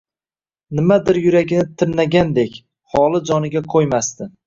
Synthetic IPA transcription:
nɪmad̪ɪɾjʊɾaɡʲɪnɪt̪ʰɪɾnaɡʲand̪e̞kʲ | hɒlˠɪd͡ʒɒnɪɡʲaqʰojmast̪ɪ

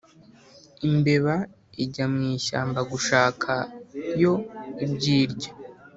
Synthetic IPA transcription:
imbe̞βa | iɟamŋiːʃa̰ːmbaɡuʃaːkʰajo̞ibɟiːɾɟḁ

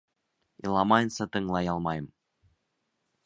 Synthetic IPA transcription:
ḭlˠɑmɑjnsɤt̪ɤ̆ŋlˠɑjɑlˠmɑjə̆m

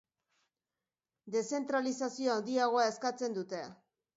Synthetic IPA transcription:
d̪e̞se̞nt̪ɾalisasio̞and̪iaɣ̞o̞ae̞skat͡se̞nd̪ut̪ea

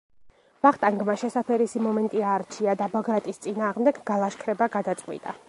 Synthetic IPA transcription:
vaχt̪ʼaŋɡmaʃɛsapʰɛɾisimɔmɛnt̪ʼiaːɾt͡ʃʰiad̪abaɡɾat̪ʼist̪sʼinaːʁmd̪ɛɡɡalˠaʃkʰɾɛbaɡad̪at̪sʼqʼwḭt̪ʼa̰

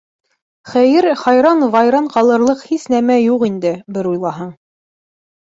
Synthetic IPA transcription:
χæjɘɾχɑjɾɑnvɑjɾɑɴqɑlˠɤ̆ɾlˠɤqhisnæmæjuqind̪ɘbɘɾujlˠɑɦɤɴ

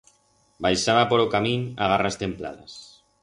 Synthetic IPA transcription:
bajʃaβapoɾokamĩnaɣarast̪empla̰ða̰s

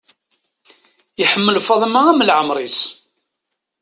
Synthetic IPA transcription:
jəħəmːəlfɑðˤmaæmlʕəmɾˤis

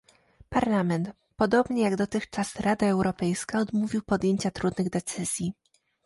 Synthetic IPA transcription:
paɾlamɛnt̪ | pɔd̪ɔbɲɛjaɡd̪ɔt̪ɘxt͡ʂasɾad̪aɛwɾɔpɛjskaɔd̪muvʲiwpɔd̪jeɲt͡ɕat̪ɾud̪nɘɣd̪ɛt̪sɘzʲji

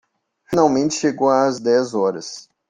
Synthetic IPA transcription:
finawmẽnt͡ʃɪ̥ʃeɡowazd̪ɛzɔɾɐs

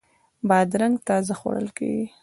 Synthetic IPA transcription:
bɑd̪ɾaŋɡt̪ɑzaxo̰ɽə̰lkḛɡi

